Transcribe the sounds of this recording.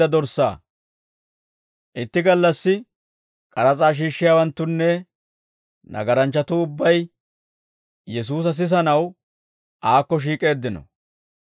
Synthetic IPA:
ɐd̪ɔɾsːa̰ː | ʔɪt̪ːɪɡɐlːɐsːɪ | kʼɐɾɐt͡sʼaːʃ̬iːʃːɪjaːwɐnt̪ːʊnːɛ | nɐ̰ɡɐɾɐnt͡ʃːɐt̪ʊʊbːɐj | jɛs̬uːs̬ɐs̬ɪs̬ɐnɐw | ʔaːkːɔʃ̬iːkʼe̞ːd̪ːɪnɔ̰

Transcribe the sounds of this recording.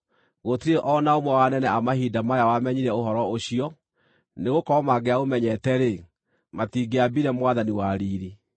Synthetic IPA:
ɣotiɾeʔɔnaomwɛwanɛnɛamaɦidamajawamɛɲiɾɛoɦɔɾɔoɕiɔ | neɣokɔɔmaɡeaɣomɛɲɛtɛɾe | matiɡeabiɾɛmwaðaniwaɾiːɾi

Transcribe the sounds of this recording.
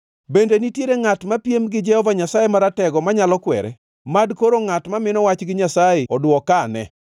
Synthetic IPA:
bendenitjeɾeŋatmapjemɡɪd͡ʒɛhɔvaɲasajemaɾatɛɡɔmaɲalɔkwɛ̰ɾɛ̰ | madkoɾoŋatmamɪnɔwat͡ʃɡɪɲasajeɔdwɔkanɛ

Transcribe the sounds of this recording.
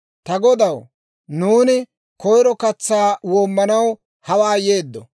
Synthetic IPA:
t̪ɐɡɔd̪ɐw | nuːnɪ | kɔjɾɔkɐt͡sːaːwoːmːɐnɐw | hɐwaːjeːd̪ːɔ

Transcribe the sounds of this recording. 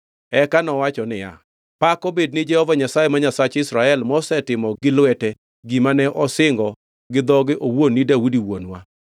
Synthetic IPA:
ɛkanɔwat͡ʃɔnɪja̰ | pakɔbed̚nɪd͡ʒɛhɔvaɲasajɛmaɲasat͡ʃɪsɾaɛlmɔsɛtɪmɔɡɪlwɛtɛ | ɡimanɛʔɔsɪŋɡɔ | ɡɪd̪ɔɡɪʔowonːidaudiwonwa̰

